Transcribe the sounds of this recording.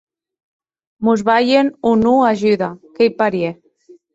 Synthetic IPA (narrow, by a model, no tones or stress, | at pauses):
muzβajenunuaʒyðakejpaɾje